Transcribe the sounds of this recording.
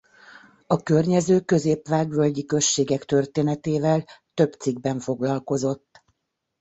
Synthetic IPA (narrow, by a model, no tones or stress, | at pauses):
ɒkø̞rɲɛzøːkø̞zeːpʋaːɡʋølɟikø̞ʃːeːɡɛkt̪ørt̪eːnɛt̪eːvɛlt̪ø̞bt̪siɡ̚bɛɱfo̞ɡlɒlko̞zo̞t̪ː